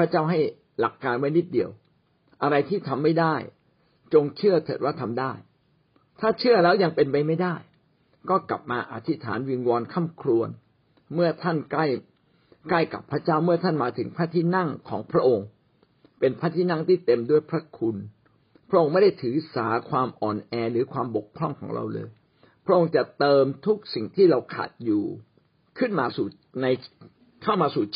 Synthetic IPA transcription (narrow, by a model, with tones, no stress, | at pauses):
pʰɾa˦˥t͡ɕaː˥˩wɦa˥˩j | la̰˨˩kːaː˧nma˥˦ni˦˥t̪̚di˧˩əw | ʔa˧ɾa˧jt̪ʰiː˥˩t̪ʰa˧mːa˥˩jdaː˥˩j | t͡ɕo˧ŋt͡ɕʰɯ˥˩ɐt̪ʰɤ̰ː˨˩t̪̚waː˥˩t̪ʰa˧mdaː˥˩j | t̪ʰaː˥˩t͡ɕʰɯ˥˩ɐlɛː˦˥wja˧ŋpe˧npa˧jma˥˩jdaː˥˩j | kɔː˥˩kla̰˨˩p̚maː˧ʔa̰˧˩t̪ʰi˦˥t̪ʰa̰ː˩˦nwi˧nwɔː˧nkʰa˥˩mkʰɾu˧ən | mɯ˥˩ɐt̪ʰa˥˩nkla˥˩j | kla˥˩jka̰˨˩pʰɾa˦˥t͡ɕaː˥˩wmɯ˥˩ɐt̪ʰa˥˩nmaː˧t̪ʰɯ˨˩˦ŋpʰaː˥˩t̪ʰiː˥˩na˥˩ŋkʰɔː˩˦ŋpʰɾa˦˥ʔo˧ŋ | pe˧npʰɾaː˥˩t̪ʰiː˥˩na˥˩ŋt̪ʰiː˥˩t̪e˧mdu˥˩əjpʰɾa˦˥kʰu˧n | pʰɾa˦˥ʔo˧ŋma˥˩jda˥˩jt̪ʰɯː˩˦saː˩˦kʰwaː˧mʔɔː˨˩nʔɛː˧ɾɯː˩˦kʰwaː˧mbo˨˩kʰːɾɔ˥˩ŋkʰɔː˩˦ŋɾa̰˧wlɤ̰ː˧j | pʰɾa˦˥ʔo˧ŋt͡ɕa˨˩t̪ɤː˧mt̪ʰu˦˥k̚si˨˩ŋt̪ʰiː˥˩ɾa˧wkʰa̰˨˩t̪̚juː˨˩ | kʰɯ˥˩nmaː˧suː˨˩ | na˧j | kʰa˥˩wmaː˧suː˨˩